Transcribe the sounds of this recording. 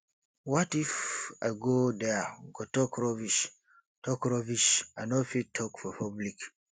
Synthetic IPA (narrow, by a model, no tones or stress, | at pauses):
wɔtifa̰jɡodɛɡotɔkɹɔviʃ | tʰɔkɹɔviʃanɔfitʰɔkfɔpʰɔblik